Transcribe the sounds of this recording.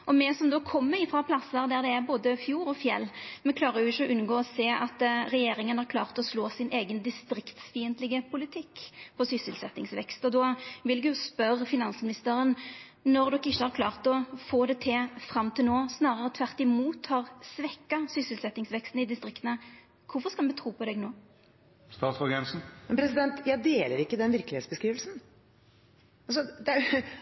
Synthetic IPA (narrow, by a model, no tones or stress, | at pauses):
ʔɔmɛsɔmd̪oːkʰɔmːəɪfʁɑpʰlɑsːəɾd̪æʁd̪ɛæɾboːd̪əfjuːɾɔfjɛ̰lːmɛkʰlɑːɾəɾjʊɪçːəɔʔʉnɡoːɔseːʔɑt̪ɾɛjeːɾɪŋənhɑɾkʰlɑːʁt̪ɔsloːsɪnʔeːɡənd̪ɪst̪ɾɪkt̪sfiːənt̪lɪɡəpʰʊlɪt̪ʰɪkːfɔsʏsːəlsɛt̪nɪŋsʋɛ̰kst̪ɔd̪ɔʋɪlɛɡjʊspœɾfɪnɑnsmɪnɪst̪əɾən | nɔɾd̪ɔkːɪʃːəhɑʁkʰlɑːʁt̪ɔfoːd̪ɛt̪ʰefʁɑmːt̪ʰɪlnoːsnɑːʁəʁət̪ʰʋæʁt̪ɪmuːt̪hɑʁsʋɛkːɑsʏsɪlsɛt̪ːɪŋsʋɛkst̪nɪd̪ɪst̪ʁɪkt̪ənə | kʰʊfɔʁskɑlmɛt̪ʰʁuːpʰɔd̪ɛɡnoː | st̪ɑːt̪sɔɾɡɛnsn̩mmɛnpʰɾɛsɪd̪ɛnt̪jæɪd̪eːləɾɪkːəd̪ɛnʋɪɾkəlɪheːt̪sbəskɾiːʋəlsn̩ | ɑlsɔd̪ɛæ